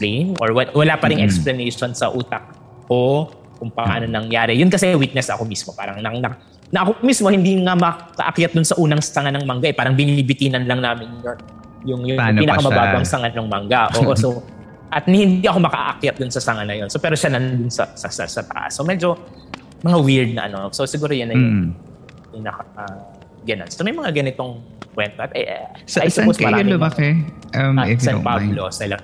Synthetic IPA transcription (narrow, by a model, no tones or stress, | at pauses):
lɛjnʔoɹwɐwɐlaːpɐɾɪŋʔɛksplɐnɛjʃo̞nsɐʔuːt̪ɐk̚ | ko̞ | kʊmpɐʔʔa̰ːnonɐŋjaːɾɛjʊnkɐsɛwit̪̚nɛsɐ̰ko̞mismo̞pa̰ːɾɐŋnɐnɐ | nɐʔɐkomismo̞hɪnd̪iŋamɐkɐ̰ʔɐkjat̪̚d̪ʊnsɐʔuːnɐŋsɐŋanɐŋmɐŋɡaʔɛpaːɾɐŋbɪnibɪt̪iːnɐnlɐŋnaːmɪnjon | jʊŋjʊpiːnɐkɐmɐbaːbɐŋsɐŋanoŋmɐŋɡaʔoːʔosso | ʔɐt̪̚nhɪnd̪iʔɐkomɐkɐ̰ʔa̰ʔɐkjat̪̚d̪ʊnsɐsɐŋanɐjo̞nsopɛːɾo̞ʃanɐnd̪ʊnsɐ̰sɐsɐ̰sɐt̪ɐ̰ʔa̰sːomɛd͡ʒo̞ | mɐŋawɪɹd̪̚nɐʔɐ̰nososɪɡuːɾojanːɐjʊŋ | pinɐka | ɡɛnɐ̰nsomɐjmɐŋaɡɐnɪt̪o̞ŋ | kwɛnt̪oʔɐt̪ɛ̰ʔajsɐposmɐɾaʊɐkɛʔɐmasɐnpablosɐlɐ